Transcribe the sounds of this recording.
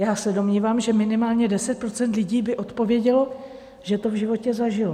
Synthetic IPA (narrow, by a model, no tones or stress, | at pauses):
jaːsɛdo̞mɲiːvaːmʒɛmɪnɪmaːlɲɛdɛsɛt̪̚pɾo̞t͡sɛnt̪lɪɟiːbɪʔo̞t̪po̞vjɛɟɛlo̞ | ʒ̥ɛt̪o̞vʒɪvo̞cɛzaʒɪlo